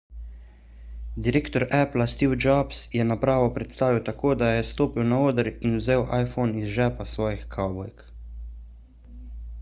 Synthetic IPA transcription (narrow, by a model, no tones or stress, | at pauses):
d̪iɾeːkt̪ɔɾɛplast̪iwd͡ʒabsjɛnapɾaːʋɔpɾɛt̪st̪aːʋiwt̪akoːd̪ajɛst̪oːpiwnaoːd̪əɾinwzeːwʔajfonizʒɛːpasʋɔːjixkʰawbɔjk